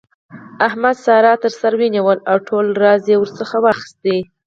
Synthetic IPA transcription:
ahmad̪sɑɾɑt̪əɾsaɾweniwəlawʈʰolɾɑzjewəɾsəxawɑxɪ̥st̪e

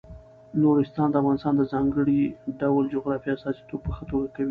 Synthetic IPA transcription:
noɾɪst̪ɑnd̪əafɣɑnɪst̪ɑnd̪əzɑŋɡəɽiɖawld͡ʒoɣɾɑfiasɑsi̥t̪ob̚pəxət̪oɡakawi

